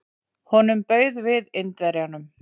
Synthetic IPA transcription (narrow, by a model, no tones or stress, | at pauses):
hɔnʏmpœːɥðvɪðɪnt̪vɛɾjanʏm